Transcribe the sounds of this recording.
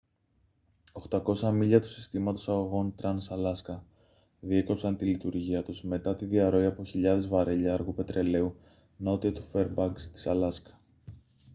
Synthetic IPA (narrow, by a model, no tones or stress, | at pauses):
o̞xt̪ɐko̞sɐmiʎɐt̪u̥si̥st̪imɐt̪o̞sɐɣo̞ɣo̞nt̪ɾɐnsɐlɐskɐ | ðieko̞psɐnt̪ilit̪uɾʝiɐt̪uzme̞t̪ɐt̪iðiɐɾo̞iɐpo̞çiʎɐðe̞zvɐɾeʎɐɐɾɣupe̞t̪ɾe̞le̞u | no̞t̪iɐt̪u̥fe̞ɾbɐɡst̪i̥sɐlɐskɐ̥